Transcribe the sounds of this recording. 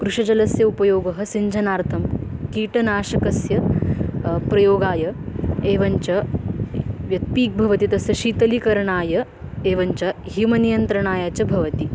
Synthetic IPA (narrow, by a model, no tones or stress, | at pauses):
kɾuʂɐd͡ʒɐlɐsjɐupɐjoːɡɐɦɐ̆siɲd͡ʒʱɐnaːɾt̪ʰɐmkiːʈɐnaːʃɐkɐsjɐ | pɾɐjoːɡaːjɐeːʋɐɲt͡ʃɐ | ʋjɐt̪̚piːk̚bʱɐʋɐt̪it̪ɐsjɐʃiːt̪ɐlikɐɾɐɳaːjɐ | eːʋɐɲt͡ʃɐɦimɐnijɐnt̪ɾɐɳaːjaːt͡ʃɐbʱɐʋɐt̪i